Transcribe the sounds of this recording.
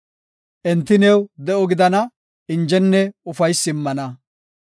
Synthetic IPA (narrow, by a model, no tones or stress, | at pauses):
ʔɛnt̪ːɪnɛwd̪ɛʔɔɡɪd̪ɐnɐ | ɪnd͡ʒɛnːɛʊfɐjsːɪmːɐnɐ